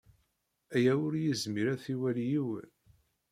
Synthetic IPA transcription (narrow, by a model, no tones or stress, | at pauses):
æjæʊɾjizmiɾæθiwæljiwə̰n